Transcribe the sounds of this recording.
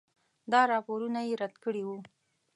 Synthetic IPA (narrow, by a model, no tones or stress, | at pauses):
d̪ɑɾɑpoɾunajeɾad̪kəɽiwu